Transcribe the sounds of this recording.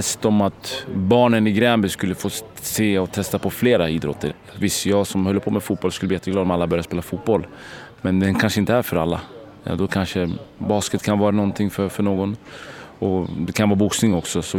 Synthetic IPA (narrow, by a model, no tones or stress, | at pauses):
ɛst̪ɔmat̪bɑːɳənɪɡɾɛːmbɪskɵlːəfoː | seːɔt̪ʰɛst̪apʰɔfleːɾaiːd̪ɾɔ̰t̪ːə | vɪst̪jɑːɡsɔmhœlːəpʰɔmɛfuːt̪̚bɔlːskɵlːblːijɛt̪ːəɡlɑːd̪ɔmalːabœɾjaspeːlafuːt̪̚bɔlː | mɛnd̪ɛnkʰanʂəɪnt̪əæɾfœɾalːa̰ | jɑ̰d̪ɔkʰanʂəbɑːskət̪kʰanvɑːɾanɔnt̪ʰɪŋːfœɾfœɳoːɡɔnɔd̪ɛkʰanvɑːɾabʊksnɪŋɔksɔsɔ